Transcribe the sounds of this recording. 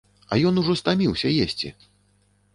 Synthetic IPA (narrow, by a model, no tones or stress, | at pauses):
ɐ̰jɔnuʐɔst̪amʲiwsʲɐjesʲt͡sʲḭ